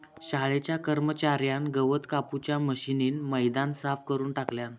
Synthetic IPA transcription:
ɕaɭet͡ɕjakəɾmət͡ɕaɾjanɡəʋət̪kaput͡ɕjaməɕiniːnməjd̪ansafkəɾuːnʈakljan

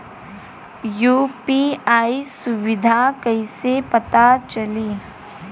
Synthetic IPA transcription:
juːpiaːisʊʋɪd̪ʱakɐisepɐt̪at͡ʃɐliː

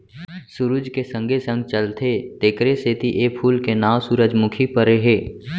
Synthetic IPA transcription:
sʊɾud͡ʒkesə̃ŋɡʱesə̃ŋɡ̚t͡ʃəlt̪ʰet̪eːkɾeseːt̪iʔeːpʰuːlkenaːwsuːɾəd͡ʒmʊkʰipəɾeɦeː

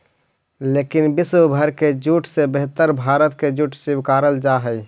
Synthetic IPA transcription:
leːkɪnbɪswəbʱəɾked͡ʒuʈʰsebeɦt̪əɾbʱaːɾət̪̚ked͡ʒuːʈʰsɪbkaːɾəld͡ʒaɦəi

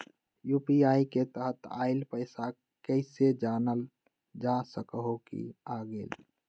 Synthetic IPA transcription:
juːpiaːiket̪əɦət̪a̰ːɪlpəɪsa | kəɪsed͡ʒaːnəl | d͡ʒasəkɦokḭaːɡeːl

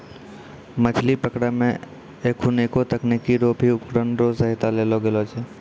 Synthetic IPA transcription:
mət͡ʃʰlipəkɽamḛ̃ | ekʰunekot̪əknikiɾobʱiʊpkɾənɾosəɦɪt̪aleloɡelot͡ʃʰɛː

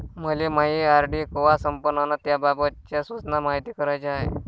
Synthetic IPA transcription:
məlemaɦiaɾɖikoʋasəmpənanat̪jababət̪t͡ɕjasʋət͡snamaɦit̪iːkəɾajt͡ɕaɦe

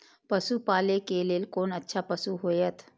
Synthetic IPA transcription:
pəsupaːlekeleːlkoːnɐtːʃʰapɐsuɦojət̪ʰ

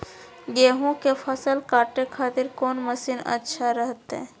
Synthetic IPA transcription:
ɡeːɦõkefʰəsəlkaːʈekʰaːt̪ɪɾkɔːnməsiːnə̰tːʃʰaɾəɦət̪ɛ̰̃ː

